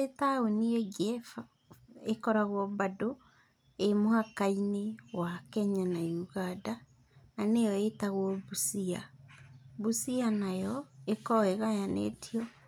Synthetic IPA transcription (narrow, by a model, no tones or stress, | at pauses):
etawenieɡɛf | ekɔɾaɣwɔbado | emohakainewakɛɲanajuɣada | anejɔetaɣwɔβusia | βusianajɔekɔeɣajanḛtʰiɔ